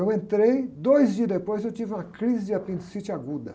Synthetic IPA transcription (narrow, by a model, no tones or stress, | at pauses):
ewẽnt̪ɾejd̪ojzd͡ʒiɐzd̪epojzewt͡ʃivɪũmɐkɾizɪd͡ʒɪapĩnt̪u̥sit͡ʃɪaɡud̪ɐ